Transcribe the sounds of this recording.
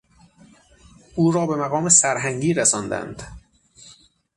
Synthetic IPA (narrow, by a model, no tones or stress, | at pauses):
uːɾɒːbe̞mæɣɒːme̞sæɾɦæŋɟiːɾesɒːnd̪æ̰nd̪̥